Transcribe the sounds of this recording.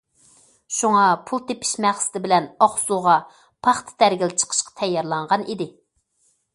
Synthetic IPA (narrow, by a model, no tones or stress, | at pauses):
ʃuŋɑpʰulˠt̪epʰɪ̥ʃmæχsɪ̥t̪ʰɪbɪlɛnɑχsuʁɑ | pʰɑχt̪ʰɨ̥d̪æɾɡʲɪlt͡ʃʰə̥qʰə̥ʃqɑ̥t̪ʰɛjːɑɾlˠɑɴʁɑnid̪ɪ